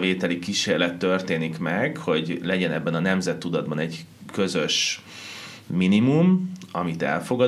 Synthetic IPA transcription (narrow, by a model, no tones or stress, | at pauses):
eːt̪ɛlikiʃeːrlɛt̪ːø̞rt̪eːnikmɛɡho̞ɟlɛɟɛnɛbːɛnɒnɛmzɛt̪ːud̪ɒd̪̚bɒnɛɟ | kø̞zø̞ʃ | minimumɒmit̪ɛ̰lfo̞ɡɒ